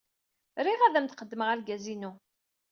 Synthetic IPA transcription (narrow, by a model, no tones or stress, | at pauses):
ɾiʁæðæmt̪qəd̪ːməʁælɡæzinu